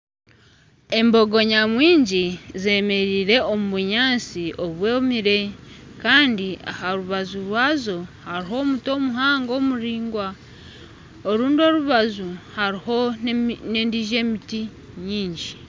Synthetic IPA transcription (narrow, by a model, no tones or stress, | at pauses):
e̞mbo̞ɡo̞ɲamwiːɲɟize̞ːme̞ɾiːɾe̞omuβuɲaːnsio̞βwemiɾe̞kaːndia̰haɾuβazuɾwaːzo̞haɾiho̞ːmuto̞ːmuɦaːŋɡo̞ːmuɾiːŋɡwa | oɾuːndo̞ɾuβazuhaɾiho̞ne̞ːndiʒe̞ːmiti | ɲiːɲɟi